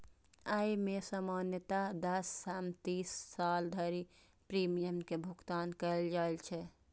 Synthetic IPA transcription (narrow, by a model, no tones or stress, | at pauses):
aimesamanjət̪ad̪əsːamt̪isːald̪ʱəɾi | pɾimijəmkebʱuɡt̪ankəld͡ʒaelt͡ʃʰɛ